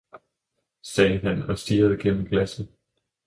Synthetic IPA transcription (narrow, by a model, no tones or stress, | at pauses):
sɛːænɒ̽sd̥iːɐð̞̩ˠəɡ̥en̰̩ɡ̥læs̩ˠ